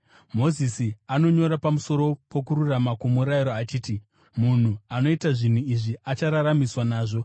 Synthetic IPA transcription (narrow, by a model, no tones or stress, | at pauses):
mo̞zisiano̞ɲo̞ɾapamuso̞ɾo̞po̞k̬uɾuramakumuɾaiɾoat͡ʃiːti | mun̤uano̞itaʐin̤uiʐiʔat͡ʃaɾaɾamiswanaːʐo̞